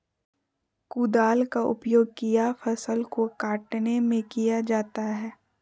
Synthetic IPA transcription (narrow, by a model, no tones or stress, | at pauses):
kuːd̪aːlkaʔʊ̰pjoːɡ̚kijafɐsəlkokaːʈnemẽkijad͡ʒaːt̪aɦɛː